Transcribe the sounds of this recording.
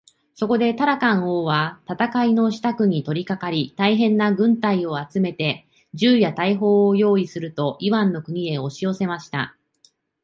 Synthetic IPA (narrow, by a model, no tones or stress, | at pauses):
so̞ko̞d̪e̞t̪aɾakãɰ̃o̞ːβat̪at̪akaino̞ɕi̥t̪akɯ̟ɲ̟it̪o̞ɾʲikakaɾʲit̪aiɦẽ̞nːaɡɯ̟̃nt̪aio̞at͡sɨme̞t̪e̞ | d͡ʑɨːjat̪aiɦo̞ːojo̞ːisɨɾɯ̟t̪o̞ʔiβãnːo̞kɯ̟ɲ̟ie̞o̞ɕio̞se̞maɕi̥t̪a̰